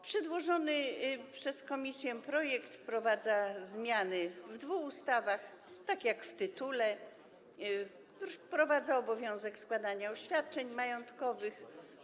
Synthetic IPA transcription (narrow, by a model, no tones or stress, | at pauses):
pʂɛd̪wɔʐɔnɘpʂɛskɔmʲisʲjɛpɾɔjɛkt̪pɾɔvad̪zazmʲjanɘvd̪vuxust̪avax | t̪akʲjakft̪ɘt̪ulɛ | pɾɔvad̪zaɔbɔvʲjɔ̃w̃zɛkskwad̪aɲaɔɕfʲjat̪̚t͡ʂɛɲmajɔnt̪kɔvɘx